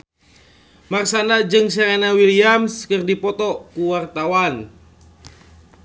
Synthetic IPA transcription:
marsanad͡ʒɨŋsɛɾɛnawiliamskɨrdipɔt̪ɔkuwart̪awan

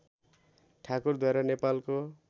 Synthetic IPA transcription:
ʈʰakurd̪ʱaeɾʌnepalko

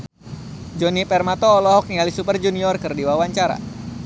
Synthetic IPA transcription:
d͡ʒɔnipɛrmat̪ɔːlɔɦɔk̚nialisupərd͡ʒuniɔrkərdiwawaɲt͡ʃaɾa̰

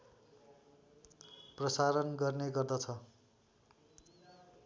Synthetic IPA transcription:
prʌsaɾʌnɡʌrneɡʌrd̪ʌt͡sʰʌ

